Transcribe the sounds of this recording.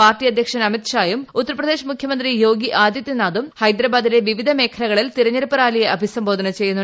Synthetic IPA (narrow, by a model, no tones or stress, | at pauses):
paːrʈijɐd̪jɐkʂɐnɐmit̪ɕaːjumut̪ːɐɾɐprɐd̪eːɕɐmukʰjɐmɐnd̪rijo̞ːɡiʔaːd̪jɐt̪ːjinaːd̪umhɐjd̪ɾɐbaːd̪ine̞ʋiʋid̪ʱɐme̞ːkʰɐlɐɣɐɭilt̪iɾɐɲːɐɾupːɐɾaːlijɐɐbʱisɐmbo̞ːd̪ʱɐnɐt͡ɕe̞jːunːu